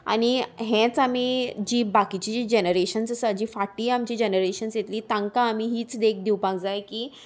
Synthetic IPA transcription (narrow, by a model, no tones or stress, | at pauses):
a̰ɽ̃iɦɛ̃t͡samiːd͡ʑiːbakit͡ɕid͡ʑiːd͡ʑenəɾeɕənsəsəd͡ʑiːfaʈiːamt͡ɕiːd͡ʑenəɾeɕənsjet̪liːt̪ãŋkãːmiɦiːt͡sd̪ek̚d̪iwpãkd͡zajkiː